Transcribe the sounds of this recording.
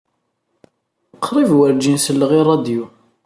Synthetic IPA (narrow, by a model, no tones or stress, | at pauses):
əqʰːɾˤivwəɾd͡ʒinsəlːəʁirˤːɑd̪ju